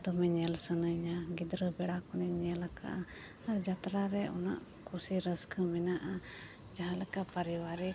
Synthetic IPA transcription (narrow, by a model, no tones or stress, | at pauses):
d̪ɔmɛɲɛlsənəɲaɡid̪ɾəbɛɽakɔnɛɲɛlakʰa̰ʔaː | ɾd͡ʒat̪ɾaɾɛɔ̰na̰ʔ | kʰusiɾəskʰəmɛnaʔa | d͡ʒaɦãlɛkaʔpaɾiwaɾi